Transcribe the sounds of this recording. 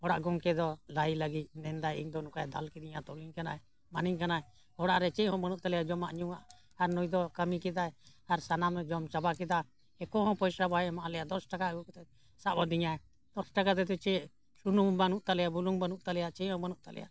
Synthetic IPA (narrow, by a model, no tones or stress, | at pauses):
ɔɽaʔɡɔŋkɛd̪ɔlailəɡit̪̚nɛnd̪ajiŋd̪ɔnukajd̪alkid̪iɲat̪ɔliɲkanaɛ | maniɲkanaɛ | hɔɽaʔɾɛt͡ʃɛʔɦɔ̃mənuʔt̪alɛjad͡ʒɔmaʔɲuŋaʔ | aɾnujd̪ɔkəmikɛd̪ajaɾsanamɾɛd͡ʒɔmt͡ʃabakɛd̪a | ɛkɔɦɔ̃pɔjsɾabajɛmaʔalɛjad̪ɔsʈakaɡukɔt̪ɛ | sabɔd̪iɲaɛ | d̪̥ɔsʈakat̪̬ɛt̪̬ɛt͡ʃɛ | sunumbanuʔt̪alɛjabuluŋbanuʔt̪alɛjat͡ʃɛhɔ̃mənuʔt̪alɛ̰ja̰